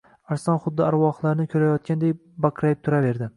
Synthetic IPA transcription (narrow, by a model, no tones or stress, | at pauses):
aɾsɒnχʊd̪ːɪaɾwɒχlˠaɾnɪkʲʰɵɾajɒt̪̚kʲand̪ejbakʰɾajɪp̚t̪ʰʊɾave̞ɾd̪ɪ